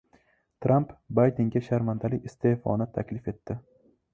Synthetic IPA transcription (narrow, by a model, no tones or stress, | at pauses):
t̪ʰɾampbajd̪eŋɡʲaʃaɾmand̪alɪkʲɪst̪ʰe̞hfɒ̰nɪt̪ʰakʲlɪfe̞t̪ʰːɪ